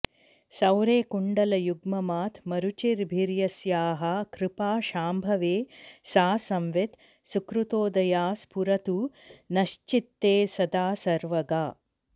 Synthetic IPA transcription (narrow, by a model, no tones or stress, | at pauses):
sɐwɾeːkuɳɖɐlɐjuɡmɐmaːt̪ʰmɐɾut͡ʃiɾbʱiɾjɐsjaːɦɐkɾɪpaːʃaːmbʱɐʋeːsaːsɐmʋet̪ | sukɾut̪oːd̪ɐjaːspuɾɐt̪uːnɐʃt͡ʃit̪ːeːsɐd̪aːsɐɾʋɐɡaː